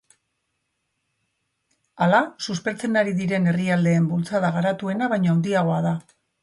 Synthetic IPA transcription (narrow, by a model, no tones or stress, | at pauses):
alasuspe̞ɾt͡se̞naɾiðiɾe̞ne̞riald̪e̞ːmbult͡saðaɣ̞aɾat̪ue̞naβajɲoand̪iaɣ̞o̞aða